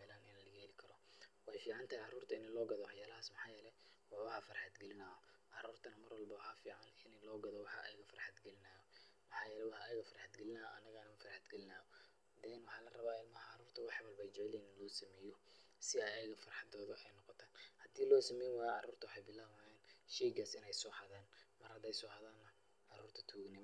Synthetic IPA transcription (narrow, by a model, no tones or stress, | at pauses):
mɛːlɐnɪnɐlɐɣɛlɪkʰɐɾɔwɑħɑjfiːʕɑnt̪ʰɐhijʕɑruːrt̪ʰɐɪnɪlɔːɡɐðɔwɑħjaːlɐɦaːsmɐħɑːjɛːlɛwɑwɑħɑfɐrħad̪ɡɛlɪnaː | ʕɑɾuːrt̪ʰɐnɐmɐrwɐlbɐwɑħɑfiːʕɑnɪnlɔːɡɐðɔwɑħɑʔɛjɣɐfɐrħɑd̪ɡɛlɪnaːjɔmɐħɑːjɛːlɛwɑħɛjɐɣɐfɐrħɑd̪ɡɛlɪnaːɐnɐɣɐnɐmɐfɐrħad̪ɡɐlɪnaːɔ | d̪ɛnwɑħɑːlɐrɐβaːɪlmɐhɐʕɑɾuːrt̪ʰɐwɑħwɐlbɛjt͡ʃɛʕlɛiːnɪnlɔːsɐmɛːjɔ | sɪɐjɛɣɐfɐrħɑd̪ɔːðʊʔɛjnɔqɔt̪ʰaːnhɐd̪iːlɔːsɐmɛjnwɑːjʕɑ̰ɾuːrt̪ʰɐwɑħɑjbɪlaːwajaːnʃɛːɡaːsɪnɛjsɔːhaðaːnmɐrhɐd̪ɛjsɔːhɐðaːnːɐ | ʕɑɾuːrt̪ʰɐ̥t̪ʰuːɣnɪm